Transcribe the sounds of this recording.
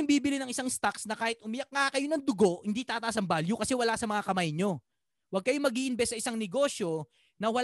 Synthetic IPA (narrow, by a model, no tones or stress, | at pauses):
ɪŋbiːbɪlɪnɐŋʔɪsaŋst̪aksnɐkaːhɪt̪̚ʔʊmɪjɐk̚ŋakɐjo̞nɐŋd̪ʊɡo̞ʔhɪnd̪iːt̪aːt̪ɐʔasɐŋbaljukɐsɛwɐlasɐmɐŋakɐmajɲo̞ | wɐɡ̚kɐjomɐɡiːʔɪnbɛsːɐʔɪsaŋnɛɡo̞ʃjo̞ | nɐwɐ